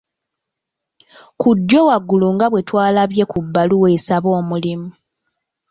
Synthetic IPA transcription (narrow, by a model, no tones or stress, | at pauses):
kudːjo̞waɡːuluŋɡaβwe̞twaːlaβje̞kubːaluwesaβo̞ːmulimu